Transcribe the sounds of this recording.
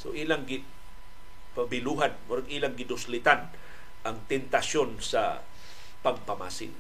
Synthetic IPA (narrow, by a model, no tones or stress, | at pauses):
so̰ʔiːlaŋɡɪ | pabɪluːɦanmʊɾaɡʔiːlaŋɡɪd̪ʊslɪt̪an | ʔaŋt̪ɛnt̪aʃonsa̰ | paɡpɐma̰ːsɪ̰ŋ